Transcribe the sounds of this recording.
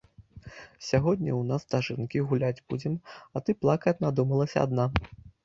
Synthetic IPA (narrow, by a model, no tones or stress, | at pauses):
sʲaɣɔd̪ʲnʲɐwnast̪aʐɨnkʲiɣulʲad͡zʲbud͡zʲɛmɐt̪ɨplˠakɐt͡sʲnad̪umɐlˠɐsʲɐ̰a̰d̪na